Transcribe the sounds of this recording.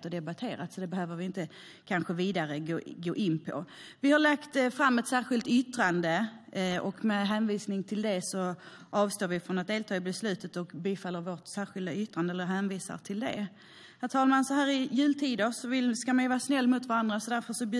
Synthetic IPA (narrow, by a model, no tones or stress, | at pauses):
t̪ɔd̪ɛbat̪ʰeːɾat̪sɔd̪ɛbɛhøːvəɾvɪɪnt̪ə | kʰanɧəviːd̪aɾəɡoːɡoːʔɪnːpʰɔ̰ | vɪhaɭakt̪fɾamːɛt̪sæːɾɧɪlt̪ʏt̪ɾand̪əʔɔkmɛɦɛːnviːsnɪŋt̪ʰɪld̪ɛsɔ | ʔɑːvst̪oːɾvɪfɾɔnɛt̪̚d̪eːlt̪ʰɑːɪbɛslʉ̟ːt̪ət̪ɔkbiːfalːəɾvoʈsæːɾɧɪld̪aʏt̪ɾand̪əɛlːəɾɦæːnviːsa̰ɾt̪ʰɪld̪ɛ̰ | hæɾt̪ʰɑːlaɾmansɔɦæːɾɪjʉ̟ːlt̪ʰiːd̪əɾsɔvɪlskamajəvɑːɾasnɛlːmʊt̪vaɾand̪ɾasɔd̪æɾfœʂɔbjʉ